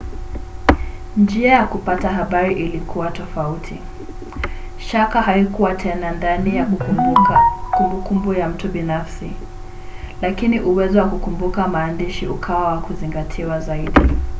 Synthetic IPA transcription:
nd͡ʒiajakupataɦaɓaɾiʔilikʰuwatɔfautʰi | ʃakaɦaikuwatʰɛnandanijak | kumbukumbujam̩tuɓinafsi | lakiniʔuwɛzɔwakukumbukamaːndiʃiṵkʰawawakuziŋɡatʰiwazaiɗi

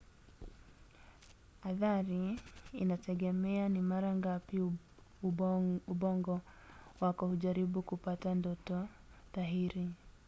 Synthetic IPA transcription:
aðaɾiːnatʰɛɡɛmɛanimaɾaŋɡapi | uuɓɔŋɡɔwakɔhuʄaɾiɓukupatandɔtɔ | ðaɦiɾi

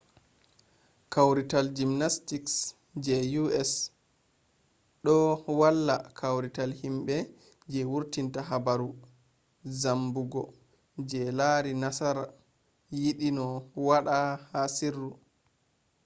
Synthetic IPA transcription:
kawɾitald͡ʒimnastiks | d͡ʒɛjuɛs | ɗɔwalːa̰kʰawɾitalhimɓɛ | d͡ʒɛwuɾtintaɦabaɾu | zambuɡɔ | d͡ʒɛlaɾinasaɾa | jiɗinɔwaɗahasirːu

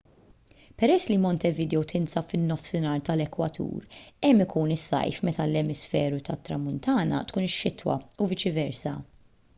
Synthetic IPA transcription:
pɛɾɛsːlimɔnt̪ɛvɪd̪ɛɛwt̪ʰɪnsɐpfɪnːɔfsɪnɐːɾt̪ɐlɛkwɐt̪ʰṵːɾɛmːɪkuːnɪsːɐ̰jfmɛt̪ɐlɛmɪsfɛːɾut̪ɐt̪ːɾɐmʊnt̪ɐːnɐ̰t̪kuːnɪʃːɪt̪wɐ̰uvɪt͡ʃɪvɛɾsɐ̰

